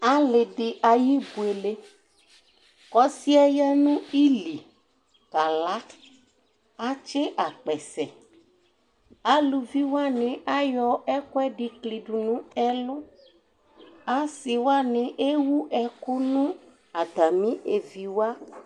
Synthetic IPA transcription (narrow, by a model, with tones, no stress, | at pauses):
a˦lɪ˨dɪ˨ʔa˨ji˦bu˨e˨le˦ | kɔ˦si˦a˦ja˦nũ˦i˦li˨ | ka˨la˦ | a˦t͡ʃe˦ʔa˨k͡pɛ˨sɛ˨ | a˨˦lu˨vi˦wa˦nɪ̃˨ʔa˦jɔ˦ɛ˦kʊ˦ɛ˦ɖi˨kli˨ɖu˨nũ˦ɛ˦lʊ˦ | a˦si˨wa˦nɪ̃˨˦ʔe˦wu˦ʔɛ˨kʊ˦nũ˦ | a˨d̪a˨mĩ˦ʔe˨vi˨wa˦